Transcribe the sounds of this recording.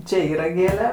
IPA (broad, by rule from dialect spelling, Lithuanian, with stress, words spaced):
ˈt͡ʃʲeː ˈiːrɐ ˈɡʲeːlʲɛ